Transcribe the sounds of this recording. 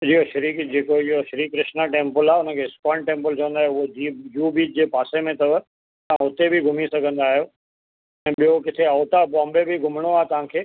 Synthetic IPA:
d͡ʑiːoʃɐɾiːkd͡ʑeːkoɪɦoʃɐɾiːkkɾɪʃnaʈẽːmpəlaːeʊnə̆kʰeːskɔːɳʈẽːmpəlt͡ɕɐ̃ʋə̃nd̪aːɦjoʊɦoijuːbiːd͡ʑeːpaːsemẽt̪ɐb | t̪ɐ̤ãɦʊt̪ebʱiɡʱʊmisɐɡʱə̃nd̪aːɦijoː | ɛ̃ːɓijokɪt̪ʰeɐːt̪abɔ̃ːmbebʱiɡʱʊmɽ̃oaːɦet̪ɐʋ̤ãkʰeː

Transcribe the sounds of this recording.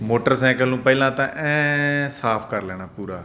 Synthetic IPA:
moːʈəɾsɛ̃ːkəlnũːpɛɪlãːt̪ãːʔɛ̃ːsaːpʰkəɾlɛːɽ̃aːpuːɾaː

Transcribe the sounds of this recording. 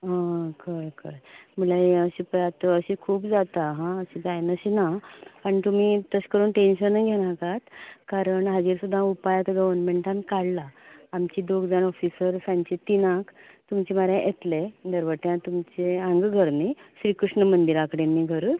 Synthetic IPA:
ɦãkəjkəjməlaəɕipjat̪əəɕikʰuːpd͡zat̪aɦãəɕid͡zajnəɕinapəɳt̪um̤iːt̪əɕkəɾuːnʈenɕənːəɡʱeɽ̃ãkat̪kaɾəɳɦəd͡ʑiɾsud̪ʱːãupajat̪ɡəʋəɾnmẽɳʈãnkaɽlaːmt͡ɕiːd̪oɡd͡zanɔfisəɾsãɲt͡ɕet̪inãk | t̪umt͡ɕeməɾjãʔet̪led̪əɾʋəʈ̪jãt̪umt͡ɕeãŋɡɡʱəɾniɕɾiːkɾuʂɳəmənd̪iɾakəɽenːiɡʱəɾ

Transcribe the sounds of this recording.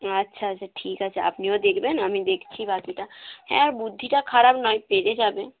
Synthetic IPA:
ətːʃʰatːt͡ʃʰaʈʰiːkətːt͡ʃʰa̰ɐ̰pniod̪eːkʰbenəmĩd̪eːkʰt͡ʃʰibaːkiʈahɛ̰̃ɔɾbʊd̪ʱːiʈakʰaɾaːbnɔːĩpeːɾed͡ʒaːbẽ

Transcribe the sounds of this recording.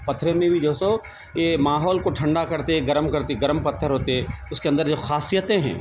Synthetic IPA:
pɐt̪ʰːɾẽmẽbʱid͡ʒoːso | jemaːɦɔːlkoʈʰɐ̃ɳɖakɐɾt̪eɛɡɐɾəmkɐɾt̪eɡɐɾmpɐt̪ʰːəɾɦoːt̪eɦɛ̃ʊskeɐ̃nd̪əɾd͡ʒoxaːsijət̪ẽɦɛ̰̃ː

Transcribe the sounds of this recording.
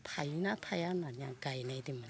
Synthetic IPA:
tʰajnat̪ʰajananiaɡajnajdiman

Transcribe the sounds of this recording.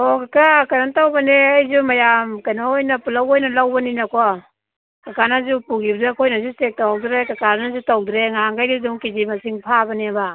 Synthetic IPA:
ɔkakakaɾantawbaneajzumajamkajnaojnapulawojnɐlawbaninakɔ | kakanazupuɡibdkʰojnazusek̚tawwdɾekakaɾnazutawdɾeŋaŋɡajdiduŋkizimasiŋpʰabaneba

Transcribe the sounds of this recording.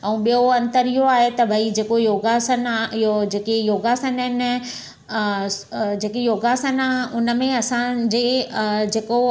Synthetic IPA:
ɛ̃ũːɓijoɐ̃nt̪əɾiɦoaːɦet̪ɐbʱɐid͡ʑeːkojoːɡasənɦod͡ʑeːkejoːɡaːsənɪn | d͡ʑeːkejoːɡaːsənaːɦʊnə̆mẽɐsãd͡ʑeːd͡ʑeːko

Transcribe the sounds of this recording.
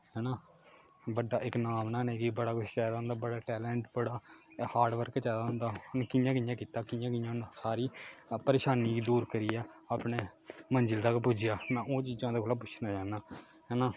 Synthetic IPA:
ɦɛːnãː | bəɖaːʔɪknaːmnãːneːkibəɽaːkʊʃt͡ʃɛːd̪aːɦʊnd̪aːbəɽaːʈɛːlɛ̃ːɳʈbəɽaːhaːɾɖʋəɾkːt͡ʃɛːd̪aːɦʊ̃nd̪aːʊnkɪjãːkɪjãːkiːt̪aːkɪjãːkɪjãːnsaːɾiːpəɾeːʃaːniːɡiːd̪uːɾkəɾiːaːaːpneːmənd͡ʒɪlt̪aːkpʊd͡ʒɪjaːmɛ̃ːʔoːt͡ʃiːzãːd̪eːkʰolaːp̬ʊt͡ʃʰnaːd͡ʒaːnaː | ɦɛːnaː

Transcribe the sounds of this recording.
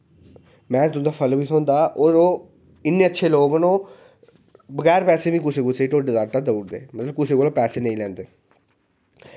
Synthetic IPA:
mɛ̃ːt̪ʊ̃d̪aːpʰəlbiːsõːnd̪aːʔoːɾoː | ɪnːeːətːʃʰeːloːɡnõː | bəɣɛːɾpɛːseːʋĩːkʊseːkʊseːʈoːɖeːd̪aːʈaːd̪əuːɽd̪ḛːmət̪ləb̚kʊseːkoːlapɛːseːnə̃ĩlɛ̃ːnd̪eː

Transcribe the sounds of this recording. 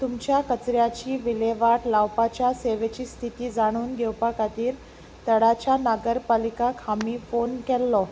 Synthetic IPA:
t̪umt͡ɕjakət͡sɾjat͡ɕiːʋileʋaʈlawpat͡ɕjaseʋet͡ɕiːst̪ʰit̪iːd͡zaɽ̃uːnɡʱɛwpakat̪iːɾ | t̪əɽat͡ɕjanaɡəɾpalikakhamiːfonkɛlːɔ

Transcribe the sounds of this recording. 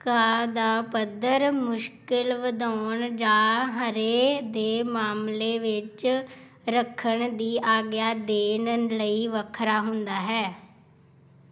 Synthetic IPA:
kaːd̪aːpəd̪əɾmʊʃkɪlʋəd̪aːɳd͡ʒaːɦəɾeːd̪eːmaːmleːʋɪt͡ʃ | ɾəkʰːəɳd̪iːʔaːɡjaːd̪eːnənləiːʋəkʰɾaːɦʊnd̪aːɦɛː

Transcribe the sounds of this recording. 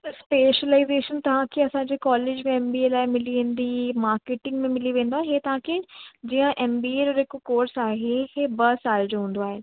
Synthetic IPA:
t̪ɐspeːʃəlaːɪzeːʃənt̪ɐʋ̤ãkʰeɐsãːɲd͡ʑekɔːleːd͡ʑmẽɛːmbiːeːlaːɪmɪliʋẽːn̆d̪imaːɾkeːʈɪ̃ŋɡmẽmɪliʋẽːnd̪oaːɦɦet̪ɐʋãkʰed͡ʑiːə̃ʔɛːmbiːeːɾoɾɪkokoːɾsaːɦehebɐsaːld͡ʑoːɦũːn̆d̪oaːɦe

